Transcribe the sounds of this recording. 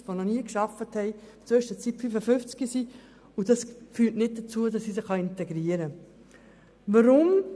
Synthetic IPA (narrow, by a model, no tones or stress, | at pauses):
ʋonɔniəkʃɑfəthɛɪ | t͡søʃtət͡sitpfyfəfʏft͡skisi | udɑsfyːtnɪt̚d̥ət͡suədɑsːisɪχɑɪntɛɡɾiəɾə | vɑɾʊm